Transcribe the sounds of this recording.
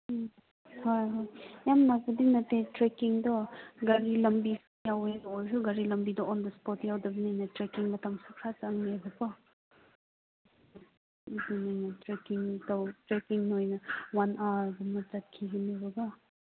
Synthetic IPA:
hojɦojjamnakɐdinɐtːetɾekiŋdɔɡɐɾilɐmbis | jawenojsuɡɐɾilɐmbidɔɔndɐspɔtjawdɐbinajnɐtɾekiŋmɐtamsukʰɾasaaŋnebɐpɐ | dinajnɐtɾekiŋtawtɾekiŋnojnɐwanaɾɡɐmɐd͡ʒɐt̚kʰiɡinibɔɡa

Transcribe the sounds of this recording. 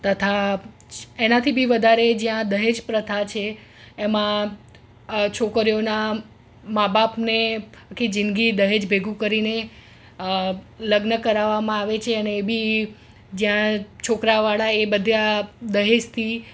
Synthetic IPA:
t̪ət̪ʰa | enat̪ʰibʱiʋəd̪ʱaɾed͡ʒjãd̪əɦed͡ʒpɾət̪ʰat͡ʃʰeː | mã | t͡ʃʰokɾijona | mabapneakʰid͡ʒinɡid̪əɦed͡ʒbʱeɡũkəɾine | ləɡnəkəɾaʋːamãaʋet͡ʃʰeəneːbʱi | d͡ʒjãt͡ʃʰokɾaʋaɭaebəd̪ʱjad̪əɦed͡ʒt̪ʰi

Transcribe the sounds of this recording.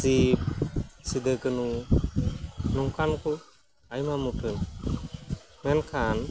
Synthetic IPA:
sip̚sid̪əkɯnu | nɔŋkʰanku | ajmamuʈʰɯn | mɛnkʰan

